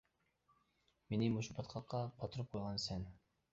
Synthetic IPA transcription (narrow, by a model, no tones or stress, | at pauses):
menɪmuʃbɑt̪qʰɑqːɑbɑt̪ʰɨɾɨp̚qʰojʁɑnsɛn